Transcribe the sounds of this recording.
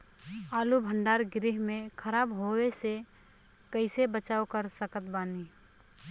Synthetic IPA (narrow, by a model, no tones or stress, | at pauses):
aːlubʱə̃ɳɖaːɾɡɾɪɦmẽkʰəɾaːbɦowese | kəɪsebət͡ʃaːokəɾsəkət̪baːni